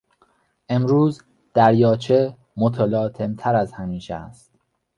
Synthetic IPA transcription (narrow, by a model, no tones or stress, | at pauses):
ʔe̞mɾuːz | d̪̥æɾjɒːt͡ʃʰe | mot̪ʰelɒːt̪ʰe̞mt̪ʰæɾæzhæmiːʃḛæ̰st̪